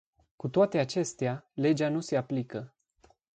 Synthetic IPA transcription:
kut̪oat̪e̞at͡ʃe̞st̪eale̞d͡ʒanuse̞aplikə

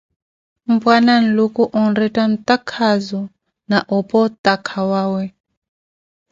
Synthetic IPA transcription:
m̩bwanan̩lukʼuʔɔn̩ɾɛtʼan̩t̪akʰazɔ | naʔɔpʼɔt̪ʼakʰawaːwɛ

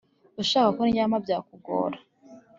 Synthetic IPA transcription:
uʃaːkakoniɲaːmabɟaːkuɡo̰ːɾa

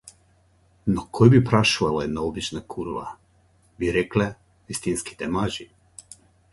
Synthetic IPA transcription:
nokʰojbipɾaʃuʋalaed̪naobit͡ʃnakʰuɾʋa̰ | biɾɛklɛ | ist̪inski̥t̪ɛmaʒi

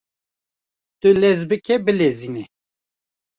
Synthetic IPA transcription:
t̪ʊlɛzbɨkɛbɨleziːnɛ

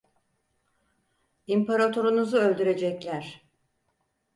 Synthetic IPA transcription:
impaɾat̪ʰo̞ɾunuzuø̞lʲd̪yɾe̞d͡ʒɛclʲæɾ̥

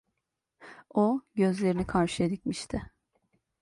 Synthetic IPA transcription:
oɟø̞zlʲe̞ɾinikʰaɾʃɯed̪icmiʃt̪ʰɪ

